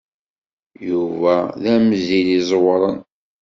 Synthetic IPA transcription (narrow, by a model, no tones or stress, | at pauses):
juvæðæmzilizˤwɾˤən